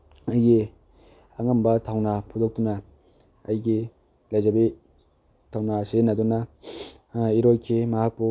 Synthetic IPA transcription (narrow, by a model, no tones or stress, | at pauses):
ɐjɡi | aŋambɐtʰawnapʰudok̚tunaː | jɡi | lajzabi | tʰawnasenɐdunɐ | iɾojkʰimaɦak̚pu